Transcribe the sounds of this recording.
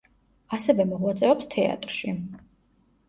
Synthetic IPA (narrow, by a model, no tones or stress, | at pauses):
asɛvɛmɔʁwat̪sʼɛɔpst̪ʰɛa̰t̪ʼɾʃi